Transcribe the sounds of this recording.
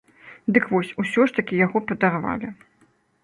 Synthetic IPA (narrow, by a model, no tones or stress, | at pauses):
d̪ɨkvɔsʲusʲɔʂt̪ɐkʲijaɣɔpɐd̪arva̰lʲɪ